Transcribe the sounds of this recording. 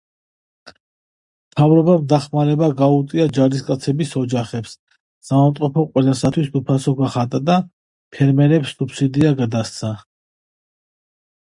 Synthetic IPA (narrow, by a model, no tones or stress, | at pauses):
mmt̪ʰavɾɔbamd̪aχmaɾɛbaɡaut̪ʼiad͡ʒaɾiskʼat̪sʰɛbisɔd͡ʒaχɛpsː | avamt̪ʼɔpʰɔqʼwɛlasat̪ʰwisd̪upʰasɔɡaχat̪ʼad̪a | pʰɛɾmɛɾɛpsːupʰsid̪iaɡad̪ast̪sʰa